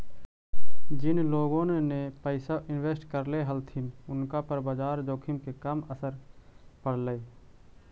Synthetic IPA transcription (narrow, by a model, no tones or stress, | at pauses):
d͡ʒɪnloːɡõnenepəɪsaʔɪnweːsʈkəɾleɦəlt̪ʰimʊnkapəɾbaːd͡ʒaːɾd͡ʒ̪oːkʰimkekəməsəɾpəɽləe